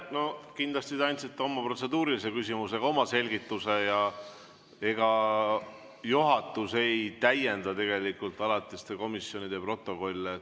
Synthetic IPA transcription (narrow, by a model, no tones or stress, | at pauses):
no̞kind̪lɑst̪it̪ɑjnʲt̪sit̪ːeomːɑpro̞t̪se̞d̪uːɾilise̞kys̬ʲimuse̞ɡ̥ɑo̞mɑse̞lʲɡit̪ːˑuse̞jɑ | e̞ɡ̥ɑ | juɦɑt̪ːˑuse̞jt̪æje̞nd̪̥ɑt̪e̞ɡe̞likult̪ˑɑlɑt̪ːˑist̪eko̞misjo̞nid̪epro̞t̪ːˑo̞ko̞lʲːe